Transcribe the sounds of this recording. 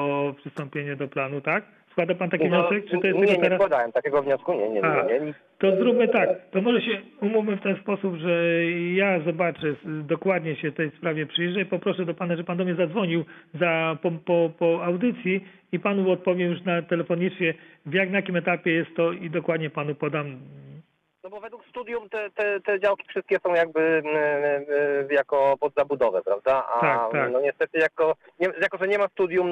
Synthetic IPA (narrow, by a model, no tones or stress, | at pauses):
ɔpʂɨst̪ɔmpʲjeɲɛd̪ɔplanut̪ak | skwad̪apant̪akʲivɲɔsɛk̚t͡ʂɨt̪ɔjɛsɛɲɡɔɛɛɾasad̪awɛmt̪akʲɛɡɔvɲɔskuɲɛ̰ɲɛaɲɛ | t̪ɔzɾubmɘt̪akt̪ɔmɔʐɛɕɛumufmɘft̪ɛnspɔsubʐɛjazɔbat͡ʂɛd̪ɔkwad̪ɲɛɕɛft̪ɛjspɾavʲjɛpʂɘjʐɛipɔpɾɔʂɛd̪ɔpanaʐɛpand̪ɔmɲɛzad̪zvɔɲiwzapɔpɔpɔawd̪ɘt̪sʲji | ipanuɔt̪̚pɔvʲjɛjuʂnat̪ɛlɛfɔɲit͡ʂɲʲɛvjaknjakʲimɛt̪apʲjɛjɛst̪ːɔid̪ɔkwad̪ɲɛpanupɔd̪am | nɔbɔvɛd̪wukst̪ud̪ʲjumt̪ɛt̪ɛt̪ɛd͡ʑawkʲi̥fʂɘst̪kʲɛsɔ̃w̃jaɡ̚bɘ | jakɔpɔd̪zabud̪ɔvɛpɾavd̪aa̰t̪akt̪aknɔɲɛst̪ɛt̪ɘjakɔ | ɲɛjakɔʐɛɲɛmast̪ud̪ʲjum